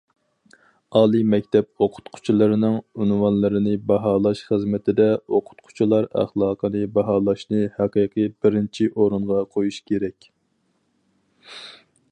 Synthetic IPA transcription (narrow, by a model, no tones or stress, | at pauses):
ɑːlˠimɛkʲt̪ʰɛp̚oqʰʊ̥t̪qʰʊ̥t͡ʃʰilˠɨɾɨnɨŋynwɑnlˠɨɾɨnɨbɑɦɑːlˠɑʃχəzmɪt̪ʰɪd̪ɛoqʰʊ̥t̪qʰʊ̥t͡ʃʰilˠɑɾæ̰χlˠɑːqʰənɨbɑɦɑːlˠɑʃnɨhɛqəqʰɨbɪɾɪnt͡ʃʰiʔoɾɨɴʁɑqʰojuʃkʲʰeɾɛkʲ